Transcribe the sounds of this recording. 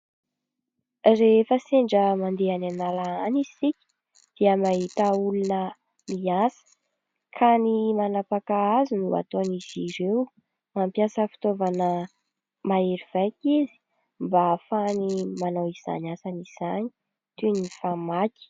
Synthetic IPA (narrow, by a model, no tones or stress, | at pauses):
refəseɳɖ͡ʐəmand̪eananalaanizi̥sikʲi̥ | d̪̥iəmaɦit̪aulunə | miasə̥ | kʰanimanapakaazunua̰t̪oniziɾew | mampjasəfi̥t̪ovanə | maeɾiv̥ajkʲizi̥ | mbafanimanawiz̥a̰nasaniz̥ani̥ | t̪unifamaki̥